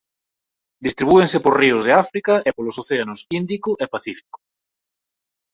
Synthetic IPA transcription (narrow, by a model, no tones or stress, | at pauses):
d̪ist̪ɾiβueŋsepoɾriʊzðeafɾikaʔepolosoθeanosind̪ikʊʔepaθifi̥ko̥